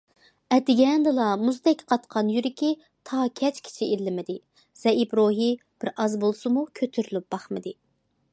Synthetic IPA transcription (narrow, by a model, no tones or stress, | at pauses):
ɛd̪ɪɡʲɛnd̪ɨlˠɑmuzd̪ɛkʲqʰɑt̪qʰɑnjyɾɪkʲi | t̪ʰɑːkʲʰɛt͡ʃkʲʰi̥t͡ʃʰiillːɪmɪd̪ɪ | z̥ɛibɾoɦi | b̥ɪɾɑzbolˠsɨmukʲʰøt̪ʰyɾylyp̚b̥ɑχmɨd̪ɪ